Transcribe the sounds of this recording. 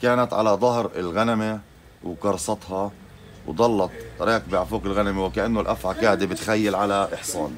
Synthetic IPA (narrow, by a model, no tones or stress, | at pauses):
kaːnat̪ʕa̰lad̪ˤɑɦɾɪ̰lɣaname | wkɑɾˤsˤɑt̪ˤhɑ | wd̪ˤɑlːɑt̪̚ˤɾˤɑːqbɪʕafuːqɪlɣanamewɪkaʔanːʊlʔafʕakaːd̪ebɪt̪xajːalʕalaʔɪħsˤɑːn